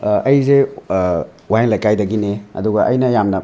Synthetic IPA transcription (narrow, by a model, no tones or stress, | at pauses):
ɐjze | wajenlajkajdɐɡineɐ̰duɡɐʔɐjnɐjamnɐ